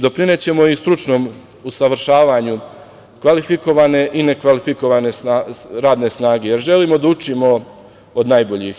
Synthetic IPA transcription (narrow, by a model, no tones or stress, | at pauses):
d̪o̞pɾine̞t͡ɕe̞mo̞ist̪ɾut͡ʃno̞ːm | usaʋr̩ʃaːʋaːɲu | kʋalifiko̞ʋane̞ʔine̞kʋalifiko̞ʋane̞saɾaːd̪ne̞snaːɡe̞je̞ɾʒe̞liːmo̞d̪aut͡ʃimo̞ | od̪najbo̞ʎix